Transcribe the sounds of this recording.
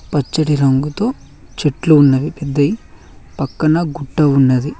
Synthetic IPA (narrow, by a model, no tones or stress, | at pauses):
pɐt͡ʃːɐɽiɾɐŋɡut̪o̞ː | t͡ʃeʈluːnːɐʋipɛd̪ːɐji | pɐkːɐnɐɡuʈːɐunːɐd̪i